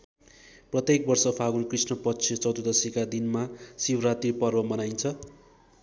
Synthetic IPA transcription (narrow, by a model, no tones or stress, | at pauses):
prʌt̪jek̚bʌrsʌpʰaɡunkrisnʌpʌt͡sʰit͡sʌwd̪ud̪ʌsikad̪inmasibrat̪ipʌrbʌmʌnajnt͡sʰʌ